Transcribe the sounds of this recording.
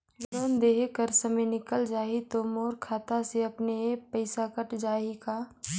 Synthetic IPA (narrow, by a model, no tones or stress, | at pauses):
loːnd̪eːɦkəɾsɐmenɪkəld͡ʒaːit̪omoːɾkʰaːt̪aseɐpneepɐɪsakəʈd͡ʒaːikaː